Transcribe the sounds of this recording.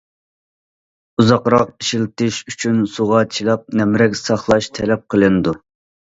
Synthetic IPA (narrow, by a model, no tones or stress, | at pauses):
uzɑqɾɑq̚iʃilt̪ɪʃyt͡ʃʰynsuʁɑt͡ʃʰilˠɑp̚nɛmɾɛkʲsɑχlˠɑʃt̪ʰɛlɛp̚qʰəlˠɨnɨd̪u